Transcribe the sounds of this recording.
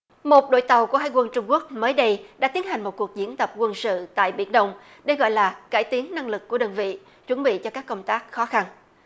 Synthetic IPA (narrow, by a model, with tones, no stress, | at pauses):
mo˨˩t̚ɗo̰˧˨jt̪ə˨˩wku˧˩əɦaː˧˨jkwə˧nt͡ɕʊ˧ŋ͡mku˦˥ək̚məː˨˦jɗə˧jɗa̰ː˧˥t̪i˨˦ənɦa˨˩ŋ̟mo˨˩t̚ku˨˩ək̚zi˧˥ənt̪ə˨˩p̚kwə˧nsɨ̰˧˨t̪a̰ː˧˨jɓḭ˧˩ənɗə˧wŋ͡m | ɗe˧˩ɣɔ̰˧˨jlaː˨˩ka̰ː˧˩jt̪i˨˦ənna˧ŋlɨ˨˩k̚ːu˧˩əɗəː˨˩nvḭ˧˨ | t͡ɕwə˧˩nɓḭ˧˨t͡ɕɔ˧kaː˦˥kːə˧wŋ͡mt̪aː˦˥k̚xɔ˨˦xa˧n